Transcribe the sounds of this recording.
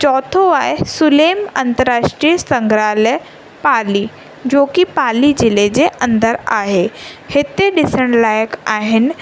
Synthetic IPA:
t͡ɕɔːt̪ʰoaːɪsʊleːmɐ̃nt̪əɾːaːʃʈɾijəsɐ̃ŋɡɾaːlə | paːli | d͡ʑoːkipaːlid͡ʑɪled͡ʑeʔɐ̃nd̪əɾa̰ːɦehɪt̪eɗɪsəɽ̃laːjəkaːɦɪnɪ̆

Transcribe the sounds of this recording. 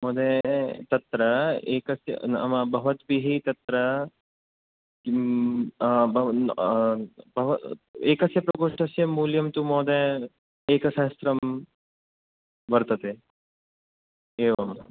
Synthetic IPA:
mɔːd̪et̪ɐt̪ɾɐeːkɐsjɐ̰ɐ̰mɐbʱɐʋɐt̪biɦit̪ɐt̪ɾɐ | bʱɐ | bʱɐʋɐeːkɐsjɐpɾɐkoʂʈʰɐsjɐmːuːljɐmt̪umoːd̪e | eːkɐʃaːst̪ɾɐm | bɐɾt̪ɐt̪e | eːʋɐm

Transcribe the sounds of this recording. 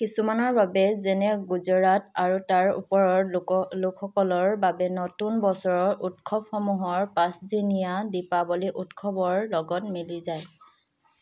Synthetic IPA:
kisumanɔɹbabɛzɛnɛɡuzɔɹataɹutaɹṵpɔɹɔɹlʊkʰxɔkɔlɔɹbabɛnɔtunbɔsɔɹɔɹʔutkʰɔb̚xɔmuɦɔɹpãsdinijadipabɔliʔutkʰɔbɔɹlɔɡɔtmilizaj

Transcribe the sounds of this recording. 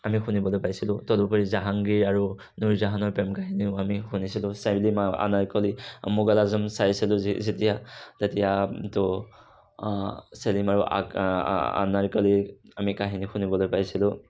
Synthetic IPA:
amixunibɔlojpajsilutɔdɔpɔɹizaɦaŋɡiɹaɹu | nuɹzaɦanɔɹpɛmkaɦiniʊamihunisilusablimaa̰naɹkɔlimuɡalazɔmsajsiluzitijatetijatɔ | selimaɹuʔa̰ | a̰naɹkɔliamikaɦinixunibɔlojpajsilu

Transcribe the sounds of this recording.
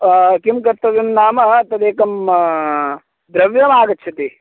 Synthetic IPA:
kimkɐɾt̪ːɐʋimnaːmɐɐt̪ɐd̪eːkɐm | d̪ɾɐʋjɐmaːɡɐtːʃʰɐt̪i

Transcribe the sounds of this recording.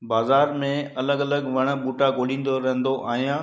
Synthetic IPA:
baːzaːɾmẽɐləɡɐləɡʋɐɽ̃ə̆buːʈaɡoːlĩːn̆d̪oɾɐɦə̃nd̪oʔaːɦijãː

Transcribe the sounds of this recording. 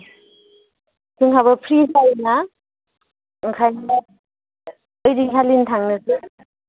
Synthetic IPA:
sʰɯŋkʰaβapʰɾisajna | ŋkʰajna | əjɾiŋkʰalintʰaŋnɯsɯ

